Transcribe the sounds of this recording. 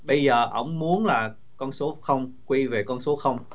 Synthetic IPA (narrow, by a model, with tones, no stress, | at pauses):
ɓə˧jzəː˨˩ʔə̰˧˩wŋ͡mmu˨˦ənlaː˨˩ | kɔ˧nso˨˦xə˧wŋ͡mkwi˧ve˨˩kɔ˧nso˨˦xə˧wŋ͡m